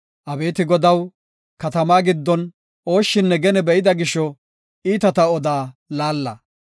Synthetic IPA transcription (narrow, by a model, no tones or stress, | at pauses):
ʔɐbe̞ːt̪ɪɡɔd̪ɐw | kɐt̪ɐmaːɡɪd̪ːɔn | oːʃːɪnːɛɡɛnɛbɛʔɪd̪ɐɡɪʃːɔ | iːt̪ɐt̪ɐɔd̪aːlaːlːɐ̰